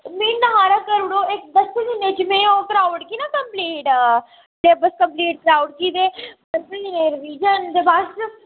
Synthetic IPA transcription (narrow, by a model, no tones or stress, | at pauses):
mĩːnəɦaːɾaːkəɾɽoːɪk̚d̪əsed͡ʒɪned͡ʒmẽːokɾaːʊɖkiːnaːkəmpliːʈ | leːbəskəmpliːʈ̚kɾaːʊɖkiːd̪eː | əsnineːɾʋiːd͡ʒənd̪ebas